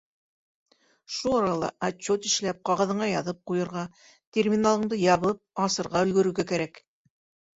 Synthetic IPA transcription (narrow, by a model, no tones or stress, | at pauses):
ʃulˠɑɾɑlˠɑ̰ʔat͡ɕːot̪ĭ̥ʃlæp̚qɑʁɤ̆ðɤ̆ɴɑjɑðɤp̚qujɤ̆ɾʁɑ | t̪ʲermʲinalˠɤ̆ɴd̪ɤjɑβɤp̚ɑsɤ̆ɾʁɑɵ̆lɡɵ̆ɾɵ̆wɡækæɾæk